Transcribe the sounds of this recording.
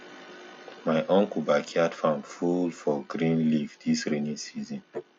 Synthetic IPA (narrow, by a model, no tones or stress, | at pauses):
maɪʔɔ̃ŋkubakʰiadfãmfulfɔɡɾĩnlivdisɹenĩsizɔ̃n